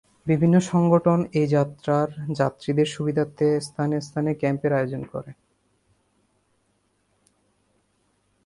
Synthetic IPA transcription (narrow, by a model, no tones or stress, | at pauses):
bibʱinːoʃɔŋɡoʈʰonejd͡ʑat̪ːɾaɾd͡ʑat̪ːɾid̪eɾʃubid̪ʱat̪ːest̪ʰanest̪ʰanekɛmpeɾaeod͡ʑonkɔ̰ɾe